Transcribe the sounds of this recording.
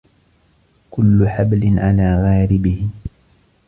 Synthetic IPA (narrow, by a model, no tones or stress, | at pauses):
kʊlːʊħablɪnʕalaːɣaːɾɪbɪhɪ